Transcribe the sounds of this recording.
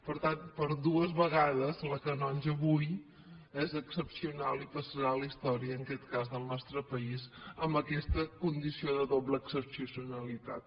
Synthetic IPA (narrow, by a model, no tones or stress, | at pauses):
pəɾt̪anpəɾðuəzβəɣaðəzləkənɔnʲʒəβuj | ɛzəksəpsiunalˠipəsəɾalist̪ɔɾiəːŋkɛt̪kazðəlˠnɔst̪ɾəpəizəmbəkɛst̪əkund̪isioðəðobləːksəpsusiunəlit̪a̰t̪̚